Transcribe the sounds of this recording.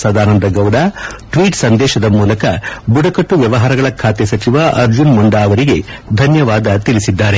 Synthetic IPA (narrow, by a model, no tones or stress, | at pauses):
sɐd̪aːnɐnd̪ɐɡɐwd̪aːʈʋiːʈsɐnd̪ɛːʃɐd̪ɐmuːlɐkɐbuɽɐkɐʈːuʋjɐʋɐɦaːɾɐɡɐɭɐkʰaːt̪esɐt͡ʃiʋaʔɐɾd͡ʒunmuɳɖaːɐʋɐɾiɡe̞d̪ʱɐnjɐʋaːd̪ɐt̪ilisid̪ːaːɾe̞